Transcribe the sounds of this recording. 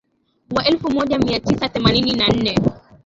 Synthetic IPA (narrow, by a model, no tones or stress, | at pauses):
waʔɛlfumɔʄamiatisaθɛmanininan̩nɛ